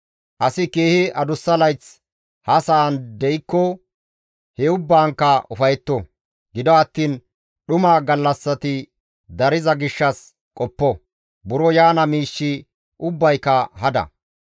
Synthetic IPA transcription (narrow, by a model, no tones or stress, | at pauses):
ʔɐsɪkeːhɪʔɐd̪ʊsːɐlɐjt͡s | hɐsɐːnd̪ɛjkːɔ | hɛʊbːaːŋkːɐʊfɐjɛt̪ːɔ | ɡɪd̪ɔɐt̪ːiːn | ɗʊmaɡɐlːɐsːɐt̪ɪ | d̪ɐɾɪzɐɡɪʃːɐs | kʼɔpːɔ | bʊɾɔjaːnɐmiːʃːɪ | ʔʊbːɐjkːɐɦɐd̪ɐ̰